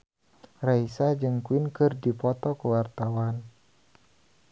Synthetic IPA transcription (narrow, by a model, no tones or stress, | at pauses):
raisad͡ʒɨŋkuwinkɨrdipɔt̪ɔkəwart̪awan